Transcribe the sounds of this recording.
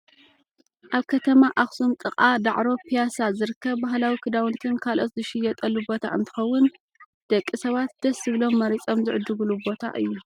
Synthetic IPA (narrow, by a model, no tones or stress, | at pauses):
ʔaβkʰɐt̪ʰɐmaʔaxsumt̪ʼɨχʼad̪aʕɾo̞pʰijasazɨɾɨkʰːɐβbahlawikʰɨd̪awnt̪ʰɨnkʰalʔo̞t̪zɨʃɪjːɛt̪ʼɐlːubo̞t̪ʰa̰ʔɨnt̪ʰɨ̥xɐwːʊn | d̪̥ɐkʼːisɐβat̪̚d̪̥ɐszɨβlo̞mːɐɾit͡sʼo̞mzɨʕʊd̪ɨɡɨlubo̞t̪ʰa̰ʔɨjːu